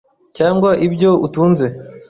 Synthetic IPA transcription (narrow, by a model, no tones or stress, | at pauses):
caːŋɡwaʔibɟo̞utuːnze̞